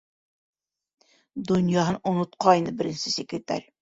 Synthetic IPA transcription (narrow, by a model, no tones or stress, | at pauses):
d̪ʊnjɑɦnʊnʊt̪̚qʰɑjnɨbɪɾɪnsɪsekɾʲet̪a̰ɾʲ